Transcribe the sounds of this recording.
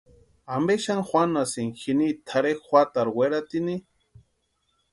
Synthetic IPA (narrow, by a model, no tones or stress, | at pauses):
ambeʃaŋxʷwʷanasiŋxinit̪ʰaɾexxʷat̪aɾweɾat̪ini